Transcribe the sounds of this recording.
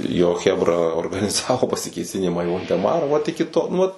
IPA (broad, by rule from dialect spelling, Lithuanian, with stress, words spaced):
joː ˈxʲæːbrɐ oːrɡɐnʲɪˈzɑːʋoː pɐsʲɪkʲeːˈsʲɪnʲɪmɑː iː ʋoːlʲdʲɛˈmɑːrɐ ˈʋɐt ɪkʲɪ ˈtoː nʊ ˈʋɐt